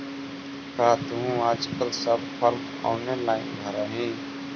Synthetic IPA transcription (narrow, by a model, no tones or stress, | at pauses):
kʰaːt̪ɦũaːd͡ʒkəlsəb̚pʰəɾm | ɔ̰ːnelaːɪnbʱəɾaːɦĩː